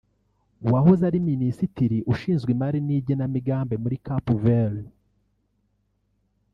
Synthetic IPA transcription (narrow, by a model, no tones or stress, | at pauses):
uwahozaɾiminisitiɾiʔuʃiːnzɡwimaɾiniːbɟenamiɡaːmbe̞muɾikapuvel